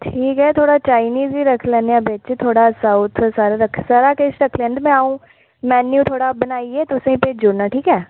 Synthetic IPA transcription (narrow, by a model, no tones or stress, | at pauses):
ʈʰiːkɦɛːt̪ʰoːɽaːt͡ʃaːɪniːziːɾəkʰlɛnejãːbet͡ʃt̪ʰoːɽaːsaʊt̪ʰsaːɾaːɾəkʰsaːɾaːkeːsɾəkʰlɛ̃ːnd̪mẽaːũː | mɛːnːjũːt̪ʰoːɽaːbənaːieːt̪ʊsẽpeːd͡ʒʊɾnaːʈʰiːkɦɛː